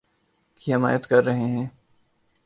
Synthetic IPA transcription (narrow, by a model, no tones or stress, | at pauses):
kiɦɪma̰ːjət̪kɐɾːɐɦeɦɛ̃ː